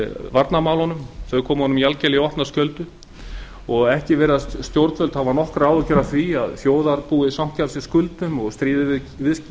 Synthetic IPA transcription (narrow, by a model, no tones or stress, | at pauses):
vaɾt̪namaːw̪ɔnʏmθœɥkʰɔːmhɔnʏmijalcɛliɔhp̪nḁscœlt̪ʏ | ɔɣɛhcɪvɛːɾast̪jowɾt̪fœlt̪havanɔhkɾaːwʏcɛɾaθviaðθjoːwðaɾpuːɪsam̥cʰalsɪskʏlt̪ʏmɔɣst̪ɾiːðɪvɪð | vɪðs